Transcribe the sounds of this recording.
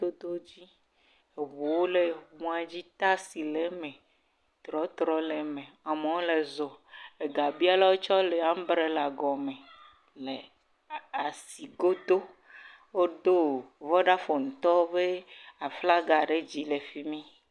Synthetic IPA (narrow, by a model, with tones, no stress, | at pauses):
d̪o˦d̪o˦d͡ʑi˦ | e˨βu˨wo˦le˨mũ˨˦a˨d͡ʑi˦t̪a˦si˨le˨mẽ˨ | t̪ɾɔ˨˦t̪ɾɔ˨˦le˨mẽ˨a˨mẽ˨wo˦le˨zɔ˨e˨ɡa˨bi˦a˦la˦wo˦t͡ʃɔ˦le˨a˦m̩˦bɾe˦la˨ɡɔ˨mẽ˨ | le˨ | a˨si˨ɡo˦d̪o˦ | wo˦ɖo˦vɔ˦ɖa˦fo˨ŋ̩̃˨t̪ɔ˦be˦a˨fla˦ɡa˨ɖe˦d͡ʑi˦le˨fi˦mĩ˦